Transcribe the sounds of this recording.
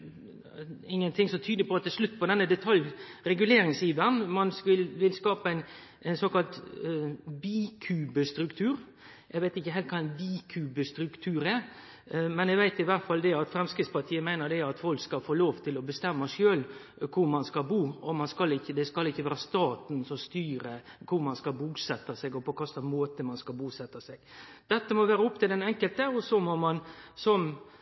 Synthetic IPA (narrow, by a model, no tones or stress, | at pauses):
ɪŋːənt̪ʰɪŋsɔt̪ʰyːd̪əpʰɔɑt̪ːɛlʂlʉt̪ːpɔd̪ɛnːəd̪ɛt̪ʰɑljɾɛɡʉleːɾɪŋsjiːʋənmɑnsʋɪlʋɪlskɑːpəæɪn | æɪnsɔkɑlt̪ | biːkʰʉːbəst̪ɾʉkt̪ʰʉːɾ | ɛɪɡʋæɪt̪ɪçːəɦæɪlt̪kʰɑːɛɪnʋiːkʰʉːbəst̪ɾʉkt̪ʰʉːɾɛɾ | mɛnɛɡʋæɪt̪ɪʋæɾt̪fɑld̪ɛɑt̪fɾɛmskɾɪt̪spɑʈ̪ʰiːəmæɪnəɾdɛɑt̪fɔlkskɑlfoːloːʋt̪ʰɪlɔbəst̪ɛmːɑʂøːl | kʰʊɾmɑnskɑlbuːɔmɑnskɑlɪçːəd̪ɛskɑlɪçːəʋæːɾɑst̪ɑːt̪n̩sɔmst̪yːɾəkʰʊɾmɑnskɑlbuːsɛt̪ːɑsɛɡɔpɔkʰɑsɑmoːt̪əmɑnskɑlbuːsɛt̪ːɑsɛɡ̥d̪̥ɛt̪ːəmɔʋæːɾəʊpːt̪ʰɪld̪ɛnɛŋkəlt̪əɔsɔmɔmɑnsɔm